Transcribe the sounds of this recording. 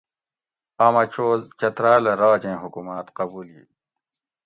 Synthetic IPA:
aːmɐt͡ɕʰoːzt͡ɕɐt̪ɾaːlɐɾaːd͡ʑẽːɦukumaːt̪qɐbuːlḭː

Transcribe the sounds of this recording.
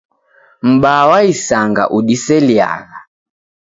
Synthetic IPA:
m̩ɓawaisaŋɡa̰ʔuɗisɛlia̰ɣa

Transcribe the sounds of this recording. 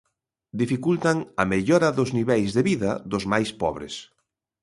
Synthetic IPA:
d̪ifikult̪ɐŋɐmeʎɔɾɐðʊzniβɛjzðeβiðɐðʊzmajspɔβɾɪ̰s

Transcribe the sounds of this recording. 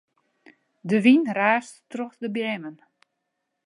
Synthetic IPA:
dəʋinraːsttrɔxdəbjɛmən

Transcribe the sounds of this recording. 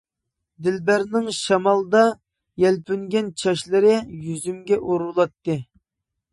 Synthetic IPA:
d̪ɪlbæɾnɪŋʃɑmɑlˠd̪ɑ | jɛlpʰyŋɡʲɛnt͡ʃʰɑʃlˠɨɾɪjyzymɡʲɛʔoɾulˠɑt̪ːɨ

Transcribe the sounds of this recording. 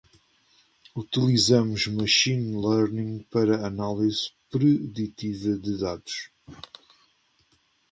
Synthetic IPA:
ut̪ilˠizɐmuʒmɐʃĩnlˠɛɾnĩŋɡpɐɾɐːnalˠiz̥pɾɨðit̪ivɐðɨðaðuʃ

